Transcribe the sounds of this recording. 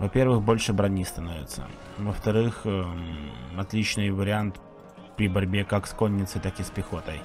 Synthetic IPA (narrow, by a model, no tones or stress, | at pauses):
vɐpʲe̞rvɨxbo̞lʲʂɨbɾɐnʲist̪ɐnovʲɪ̰t̪sə̰ | vəft̪ɐɾɨx | ɐt̪lʲit͡ɕnɨjvəɾʲɪant̪ | pɾʲɪbɐɾʲbʲekakskonʲːɪt̪səjt̪akɪspʲɪxo̞t̪əj